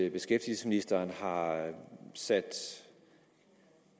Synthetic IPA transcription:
b̥e̝sɡ̥efd̥ilsə̥sminisd̥ɐːnhɑ̈ | sæd̥

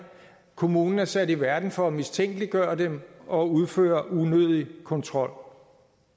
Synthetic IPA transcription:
kʰo̝muːnn̩æɐsæd̥iʋæɐd̥n̩fɒ̽æmist͡sʰeŋ̰ɡ̥əliɡ̥ɶːɐdemɒ̽uð̞ˠfø̰ːɐʔunøð̞ˠikʰɒ̽nt͡sʰʁɒ̽l̰

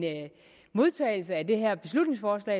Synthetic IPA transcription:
n | mo̝ð̞ˠt͡sʰɛ̰ːɪl̩səæd̥e̝ɦæɐ̰b̥e̝slud̥ne̝ŋsfɒːslɛ̰ː

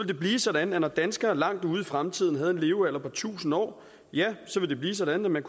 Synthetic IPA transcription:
ʋe̝ld̥e̝b̥liːsɒ̽dænð̩ˠænɒd̥ænsɡ̥ɐlɑ̈ŋ̰d̥uːð̞̩ˠifʁamt͡sʰið̞̰ˠn̩ɦæð̞̩ˠe̝nle̝ːʊæl̰ɐpʰɒt͡sʰṵːsn̩ɒ̰ː | jæsɒʋe̝ld̥e̝b̥liːsɒ̽ɾæn̩ˠæmænkʰ

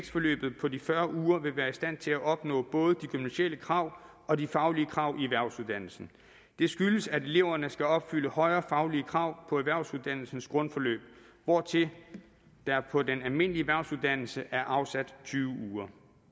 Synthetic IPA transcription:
seɡ̥sfɒ̽lø̰ːb̥ð̞̩ˠpʰɒ̽difɶɐuːɐʋe̝ʋæːɐisd̥æn̰t͡sʰe̝læʔɒ̽b̥nɔ̰̽ːb̥ɔ̽ːð̞̩ˠəd̥ikʰymnæɕeləkʰʁɑ̈ʊ̰ | ɒ̽difɑ̈ʊliəkʰʁɑ̈ʊ̰ʔieʋæɐ̰suðˠd̥æn̰l̩sn̩ | d̥e̝sɡ̥yləsæɾe̝le̝ʊ̰ɐnəsɡ̥æɒ̽b̥fyləhɒ̽ɪɐːfɑ̈ʊliəkʰʁɑ̈ʊ̰pʰɒ̽eʋæɐ̰ʊsuð̞ˠd̥æn̰l̩sn̩sɡ̥ʁɔ̽nfɒ̽lø̰ːb̥ | ʋɒːt͡sʰe̝ | d̥ɑpʰɒ̽denælme̝n̰lieʋæɐsuðˠd̥æn̰l̩səʔæɐʔɑ̈ʊsæd̥t͡sʰyːʊəuːɐ

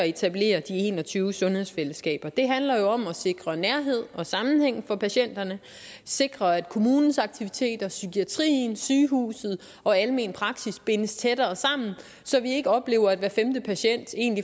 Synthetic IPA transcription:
ɒe̝t͡sʰæb̥le̝̰ːɐd̥ie̝̰ːnɒt͡sʰyːʊsɔ̽nhe̝ð̞̰ˠsfeləsɡ̥ɛ̰ːb̥ɐd̥e̝ɦænlɐjo̝ɒ̽mɒse̝ɡ̥ʁɐnæɐɦe̝ð̞̰ˠɒ̽sɑ̈mn̩heŋ̰fɒ̽pʰæɕen̰d̥ɐnə | se̝ɡ̥ʁɐæd̥̚kʰo̝muːnn̩sɑ̈ɡ̥̚t͡sʰiʋit͡sʰe̝̰ːd̥ɐsykʰiæt͡sʰʁḭːnsyːɦṵːsð̞̩ˠ | ɒ̽æləme̝npʰʁɑ̈ɡ̥sisb̥e̝nəst͡sʰedɐːsɑ̈m̰n̩ | sɒ̽ʋie̝ɡ̥əɒ̽b̥le̝ːʊɐæd̥ʋæːɐfemd̥əpʰæɕen̰d̥e̝ːnli

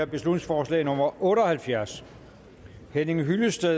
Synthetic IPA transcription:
ɐb̥e̝slud̥ne̝ŋsfɒːslɛ̰ːnɔ̽mɐʔɔ̽ːɾ̥ɒ̽hælfjæɐ̰s | hene̝ŋɦyləsd̥e

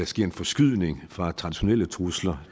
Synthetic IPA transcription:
æsɡ̥e̝ɐ̰e̝nfɒ̽sɡ̥yð̰ˠne̝ŋfʁɑ̈t͡sʰʁɑ̈d̥iɕo̝nelət͡sʰʁuslɐ

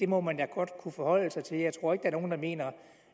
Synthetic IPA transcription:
d̥e̝mɒ̽mænjɑɡ̥ɒ̽d̥kʰufɒ̽hɒ̽l̰əsɑ̈ɪt͡sʰe̝ljɑ̈ɪt͡sʰʁo̝ɐ̰eɡ̥ə̥dæɐno̝ːnd̥ɑ̈me̝̰ːnɐ

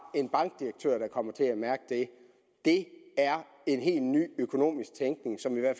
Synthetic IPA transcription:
e̝nb̥ɑ̈ŋɡ̥d̥iɐɡ̥̚t͡sʰø̰ɐ̰ɾ̥ɑ̈kʰɒ̽m̰ɐt͡sʰe̝æmæɐɡ̥əd̥e̝ | d̥e̝æɐ | e̝nɦe̝̰ːlny̰ːøkʰo̝no̝̰ːmisɡ̥̚t͡sʰeŋɡ̥ne̝ŋsɒ̽miʋæɐ̰

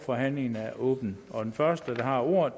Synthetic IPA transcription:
fɒ̽ɦæn̰le̝ŋn̩æɐʔɔ̰̽ːb̥n̩ɒ̽d̥enfɶɐsd̥əd̥ɑ̈hɑ̈o̝ɐ̰

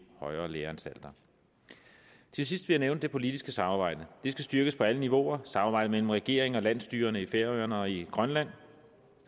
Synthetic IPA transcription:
hɒ̽ɪɐːleːɐænsd̥æl̰d̥ɐ | t͡sʰe̝lsisd̥ʋe̝jɑneʊnəd̥e̝pʰo̝lid̥isɡ̥əsɑ̈mɑ̈ːb̥ɑ̈ɪ̰d̥əd̥e̝sɡ̥æsd̥ɶɐɡ̥əspʰɒ̽æləniʋo̝ɐsɑ̈mɑb̥ɑ̈ɪ̰dəmel̰m̩ʁɛɡ̥e̝̰ːɐeŋɒ̽læn̰sd̥y̰ːɐɐnəifeɐ̰øɐnɒ̽iɡ̥ʁɶnlæn̰

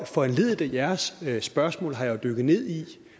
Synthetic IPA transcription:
fɒ̽enle̝ð̰ˠd̥æjæɐsːb̥ɶɐsmɔ̰̽ːlɦɑ̈jɑ̈ɪʊd̥øɡ̥ð̩ˠne̝ð̞̰ˠi

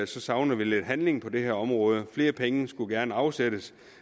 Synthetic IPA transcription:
sɒ̽sɑ̈ʊnəðˠʋile̝d̥ɦænle̝ŋpʰɒ̽d̥e̝heɐ̰ɒ̽mʁɔ̽ːð̞ˠəfle̝ːɐpʰeŋəsɡ̥uɡ̥æɐnəɑ̈ʊsed̥əs

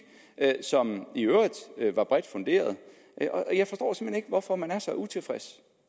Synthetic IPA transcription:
sɒ̽miøːid̥ˠøʋɑ̈b̥ʁɛd̥fo̽nd̥e̝̰ːɐð̩ˠ | ʔʔɒʔjɑɪfɒ̽sd̥ɒ̰ːsemheneɡəʋɒfɒ̽mænæɐsɑ̈ɪut͡sʰe̝lfʁɛs

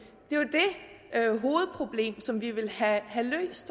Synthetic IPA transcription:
d̥e̝od̥e̝ | øɦo̝ːð̩ˠpʰʁo̝b̥le̝̰ːmsɒ̽mʋiʋe̝lhæhælø̰ːsd̥

